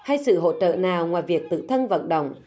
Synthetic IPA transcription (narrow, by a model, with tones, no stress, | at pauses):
ha˧jsɨ̰˧˨ɦo̰˧˥t͡ɕə̰ː˧˨naː˨˩wŋwaː˨˩jvi˨˩ək̚t̪ɨ̰˧˥t̪ʰə˧nvə̰˧˨nɗə̰˧˨wŋ͡m